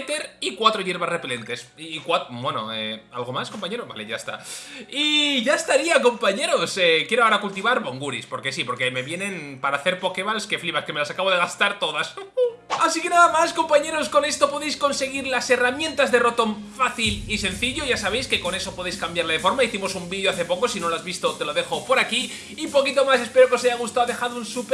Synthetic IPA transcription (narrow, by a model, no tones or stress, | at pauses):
t̪e̞ɾikwat̪ɾoʝe̞ɾβasre̞pele̞nt̪e̞skwat̪bwe̞no̰ea̰lɣo̞masko̞mpaɲe̞ɾoba̰leʝa̰est̪a̰iʝaest̪aɾiako̞mpaɲe̞ɾo̞sekjeɾoaoɾakult̪iβaɾβo̞ŋɡuɾispo̞ɾke̞sipo̞ɾke̞me̞βje̞ne̞npaɾaːθe̞ɾpo̞keβalske̞fliβaskeme̞lasakaβo̞ð̞e̞ɣ̞ast̪aɾt̪o̞ðasasike̞naðamasko̞mpaɲe̞ɾosko̞ne̞st̪o̞po̞ðe̞jsko̞nse̞ɣ̞iɾlase̞ramjẽnt̪azðe̞ro̞t̪o̞ɱfaθilise̞n̟θiʎo̞ʝasaβejske̞ko̞ne̞so̞poðejskambjaɾlaðefo̞ɾmaiθimo̞sumbiðjo̞aθe̞po̞ko̞sino̞lazβist̪o̞t̪e̞lo̞ðe̞xo̞po̞ɾaki | ipo̞kit̪o̞mase̞speɾo̞kesajaɣ̞ust̪aoðe̞xaðounsup